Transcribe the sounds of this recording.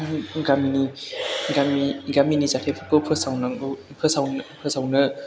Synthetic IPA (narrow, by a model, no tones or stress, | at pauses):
ɡaminiɡamiɡaminizatʰepʰɯkɯpʰɯsawna | pʰɯsawnpʰɯsawnɯ